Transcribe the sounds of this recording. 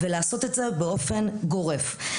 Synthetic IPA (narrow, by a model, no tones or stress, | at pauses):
velaːso̞t̪etzebeo̞fe̞nɡo̞ʁef